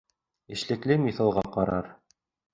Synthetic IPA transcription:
ɘ̆ʃlɘ̆klɘmiθɤ̆lˠʁɑqɑɾɑ̰ɾ

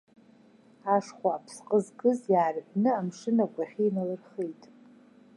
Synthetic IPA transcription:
aʂχʷaːpʰsqʼəzɡʼɨzjaːrħʷnɨamʂɨnakʷʼaχʲiːnalɨrχejtʼ

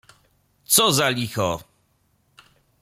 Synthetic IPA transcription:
t̪sɔzalʲixɔ

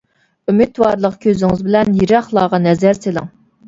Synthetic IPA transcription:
ymit̪wɑːɾlˠəqkʲʰøzɪŋɪzbɪlɛnjiɾɑχlˠɑːʁɑnɛzæɾselɪ̰ŋ

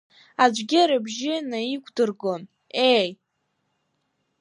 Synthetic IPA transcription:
ad͡ʒʷɡʲɪɾɨbʒɪnaikʷʰʼdɨrɡo̞n | ej

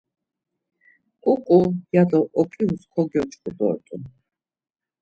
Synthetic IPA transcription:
kʼukʼujad̪ɔʔɔkʼiuskʰɔɡjɔt͡ʃʼkʼud̪ɔ̰ɾt̪ʼun

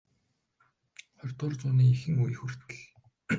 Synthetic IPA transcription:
χœrʲt̪ʊːrt͡sʊːniːixɘ̆ŋujxurt̪ɘɮ

